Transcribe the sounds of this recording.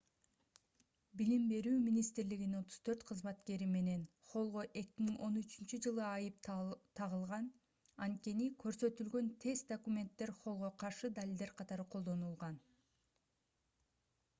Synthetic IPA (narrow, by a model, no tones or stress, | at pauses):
bilimbe̞ɾyːmʲinʲist̪ɾliɡinino̞t̪ʰu̥z̥t̪ʰø̞ɾt̪qʰɯzmɑt̪ke̞ɾime̞ne̞n | χo̞lˠʁo̞ʔe̞kʲimiŋʔo̞nyt͡ʃynt͡ʃyd͡ʒɯlˠɯɑjɯp̚t̪ʰɑʁɯlˠʁɑn | ɑnt̪̚ke̞nikʰø̞ɾsø̞t̪ylɡø̞nt̪ʰe̞zd̪okumʲe̞nt̪ːe̞ɾχo̞lˠʁo̞qʰɑɾʃɯd̪alʲild̪e̞ɾqʰɑt̪ɑɾɯqʰo̞lˠd̪o̞nulˠʁɑn